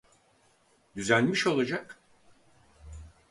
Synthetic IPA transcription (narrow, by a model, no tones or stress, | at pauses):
d̪yzænʲmiʃo̞lˠad͡ʒak